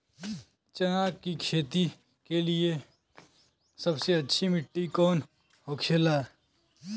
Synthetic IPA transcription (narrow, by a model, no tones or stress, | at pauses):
t͡ʃɐnaːkkikʃeːt̪i | kelie | sɐbseɐtːʃʰimɪʈːikɔːn | ɦoːkʰelaɛ